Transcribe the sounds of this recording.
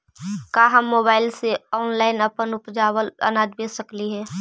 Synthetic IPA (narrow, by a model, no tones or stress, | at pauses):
kaːɦɐmːoːbaːɪlseɔːnlaːɪnɐpənʊpd͡ʒaːwəlɐ̰naːd̪besəkliɦɛː